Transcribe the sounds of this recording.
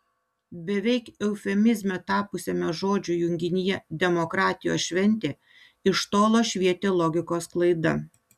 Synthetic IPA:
bʲɛʋʲɛɪkɛʊfʲɛmʲɪzʲmʲɛt̪ɑːpʊsʲɛmʲɛʒoːd͡ʒʲʊjʊŋʲɡʲɪnʲɪjɛd̪ʲɛmɔkɾɑːt̪ʲɪjo̰ːsʃʲʋʲɛnʲt̪ʲeː | ɪʃt̪oːlˠoːʃʲʋʲiɛt̪ʲeːlˠɔːɡʲɪkoːsklˠɐɪd̪ɐ

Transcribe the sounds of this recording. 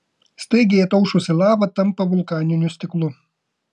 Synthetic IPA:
st̪ɐɪɡʲɛjɛt̪ɐʊʃʊsʲɪlˠɑːʋɐt̪ɐmpɐʋʊlˠkɑːnʲɪnʲʊsʲt̪ʲɪklˠʊ

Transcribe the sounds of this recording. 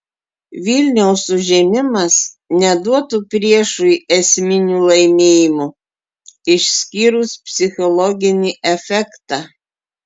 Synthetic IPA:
ʋʲɪlʲnʲɛʊsʊʒʲɛmʲɪmɐs | nʲɛd̪uɔt̪upʲɾʲiɛʃʊɛsʲmʲɪnʲuːlˠɐɪmʲeːjɪmʊ | ɪʃʲsʲkʲiːɾʊspʲsʲɪxʲɔlˠɔɡʲɪnʲiʔɛfʲɛkt̪ɑ

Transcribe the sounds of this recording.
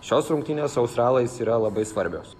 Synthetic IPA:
ʃʲoːsɾʊŋkt̪ʲɪnʲoːsɐʊst̪ɾɑːlˠɐsiːɾɐlˠɐbɐɪsʋɐɾʲbʲoːs

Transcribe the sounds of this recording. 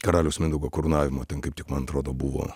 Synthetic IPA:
kɐɾɑːlʲɛʊsmʲɪnd̪ʊɡoːkʊɾʊnɑːʋʲɪmoːt̪ʲɛnkɐɪpt̪ʲɪkmɐnɐt̪ɾoːd̪oːbʊʋo̰ː

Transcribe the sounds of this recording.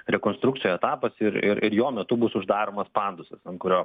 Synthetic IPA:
ɾʲɛkoːnst̪ɾuk̚t͡s̪ʲɪjoɛt̪ɑːpɐsɪɾɪ̰ɾɪɾjoːmʲɛt̪ʊbʊsʊʒd̪ɑːɾoːmɐspɑːˑnd̪ʊsʲɐsɐnt̪̚kʊɾʲoː

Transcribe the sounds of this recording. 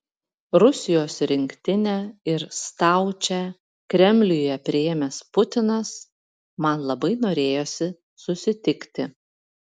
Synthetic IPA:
ɾʊsʲɪjoːsɾʲɪŋʲkt̪ʲɪnʲɛːɪɾst̪ɑˑʊt͡ʃʲɛ | kɾʲɛmʲlʲʊjjɛpʲɾʲɪjɛmʲɛspʊt̪ʲɪnɐs | mɐnlˠɐbɐɪnoːɾʲeːjoːsʲɪ | sʊsʲɪt̪ʲɪkt̪ʲɪ

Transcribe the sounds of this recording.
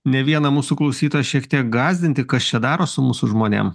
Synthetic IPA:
nʲɛʋʲiɛnɐmuːsʊklˠɒʊsʲiːt̪oːjɛʃʲiɛkt̪ʲiɛk̚ɡɑːzʲd̪ʲɪnt̪ʲɪkɐst͡ʃʲɛd̪ɑːɾoːsʊmuːsʊʒmoːnʲɛ̰m

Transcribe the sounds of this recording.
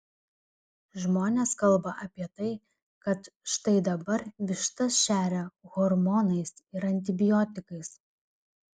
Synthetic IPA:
ʒmoːnʲeːskɐlˠbɐʔɐpʲiɛt̪ɐɪ | kɐt̪ʃt̪ɐɪd̪ɐbɐɾʋʲɪʃt̪ɐsʃʲæːɾʲɛɣɔɾmɔːnɐɪsɪɾɐnʲt̪̬ʲɪbʲɪjɔːt̪ʲɪkɐɪs

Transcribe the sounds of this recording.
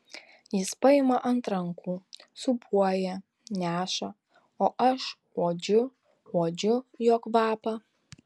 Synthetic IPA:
jɪspɐjɪmɐʔɐnt̪ɾɐŋkʰuːsʊbuɔjɛ | nʲæːʃɐ | oːʔɐʃ | ɔːd͡ʒʊ | ɔːd͡ʒʊjoːkʋɑːpɐ

